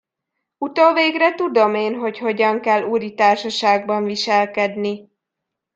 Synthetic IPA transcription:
ut̪oːveːɡrɛt̪ud̪o̞meːnɦo̞cho̞ɟɒŋkɛlːuːɾit̪aːrʃɒʃaːɡ̚bɒɱviʃɛlkɛd̪ni

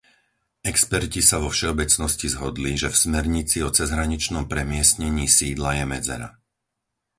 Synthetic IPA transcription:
ɛkspɛɾcisaʋɔfʃɛɔbɛt͡snɔscizɦɔd̪liʒɛfsmɛɾɲit͡siɔt͡sɛzɦɾaɲit͡ʃnɔmpɾɛmɪɛsɲɛɲiːsiːd̪lajɛmɛd͡zɛ̰ɾa̰

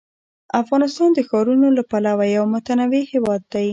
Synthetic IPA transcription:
afɣɑnɪst̪ɑnd̪əxɑɾunolapalawajawmʊt̪anawihewɑd̪ːaj

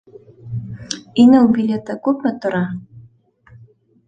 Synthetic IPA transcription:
inɘwbʲilʲet̪akʉpmɘ̆t̪ŏɾɑ

